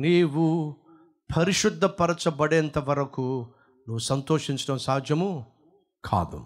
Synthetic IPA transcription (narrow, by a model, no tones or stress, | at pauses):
niːwu | pʰɐɾiʂud̪ʱːɐpɐɾɐt͡ʃɐbɐɽɛːnt̪ɐʋɐɾɐku | nuʋusɐnt̪oːʂiɲt͡ʃɐɽɐmsaːd͡ʒ̪jɐmu | kʰa̰ːd̪ṵ